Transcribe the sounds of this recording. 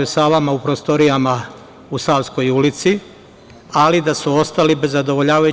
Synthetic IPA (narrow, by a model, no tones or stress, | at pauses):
esaʋamaupɾost̪o̞ɾijama | usaʋsko̞julit̪si | alid̪asuo̞st̪alibezːad̪o̞ʋo̞ʎaːʋaju